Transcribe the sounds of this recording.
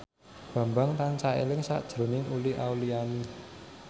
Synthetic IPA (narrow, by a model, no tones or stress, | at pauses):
b̥ä̤mbaŋt̪ant͡ʃaḛlɪŋsa̰ʔd̥ʒ̥ɾo̤nɪŋuliʔawliani